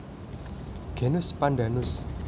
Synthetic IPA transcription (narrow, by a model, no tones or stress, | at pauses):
ɡ̥e̤nʊspanda̤nʊs